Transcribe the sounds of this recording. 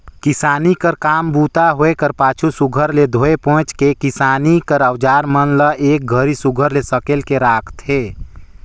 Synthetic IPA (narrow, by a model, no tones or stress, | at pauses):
kɪsaːnikəɾkaːmbuːt̪aɦoekəɾpaːt͡ʃʰusuɡʱəɾled̪ʱoːepɔ̃ːt͡ʃkekɪsaːnikəɾəwd͡ʒaːɾmənləʔeːk̚ɡʱəɾisuɡʱəɾlesəkelkeɾaːkʰt̪ɦeː